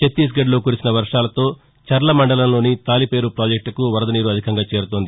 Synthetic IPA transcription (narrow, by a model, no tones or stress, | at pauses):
t͡ʃet̪ːis̬ɡɐɖlo̞ːkuːɾisinɐʋɐɾʂaːlɐt̪o̞ː | t͡ʃɐɾlɐmɐɳɖɐlɐmlo̞ːnit̪aːlipe̞ːɾupɾaːd͡ʒek̚ʈkuʋɐɾɐd̪ɐniːɾuɐd̪ʱikɐŋɡaːt͡ʃeːɾut̪ond̪i